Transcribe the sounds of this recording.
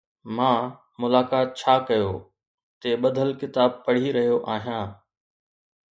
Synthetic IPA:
mãː | mʊlaːkaːt̪̚t͡ɕʰaːkɐjoː | t̪eːɓɐd̪ʱəlkɪt̪aːb̚pɐɽ̤iɾɐɦijoʔaːɦijãː

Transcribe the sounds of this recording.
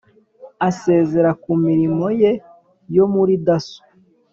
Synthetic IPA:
ase̞ːze̞ɾakumiɾimo̞je̞ | jo̞muɾidaso̥

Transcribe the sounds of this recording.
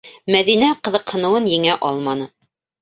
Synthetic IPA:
mæðinæqɤ̆ðɤ̆qhɤ̆nɤ̆wɤnjɘ̆ŋæʔɑlˠmɑnɤ

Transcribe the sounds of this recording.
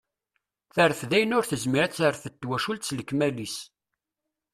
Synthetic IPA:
θəɾəfðæjənʊɾθəzmiɾæt͡sːəɾθət̪ːwæʃult̪sləkːmælis

